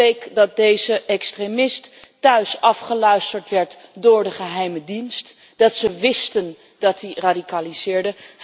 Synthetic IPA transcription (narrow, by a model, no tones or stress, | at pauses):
ejkdɑt̚dejzəʔɛkstremɪstːœɥsɑfχəlœɥstəɹtʋɛɹtdʊːɹdəχəɦɛjmədinst | d̥ɑtsəʋɪstən | d̥ɑt̚diraːdikaliz̥ɪːɹdə